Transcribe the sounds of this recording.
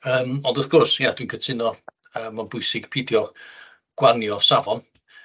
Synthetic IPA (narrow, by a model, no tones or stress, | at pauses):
əːmɔndɔθɡ̥ɔrsjad̥winkʰətʰɪnɔ | əːmanbʊɨsɪɡ̥pʰidjɔ | ɡ̥wanjɔsavɔn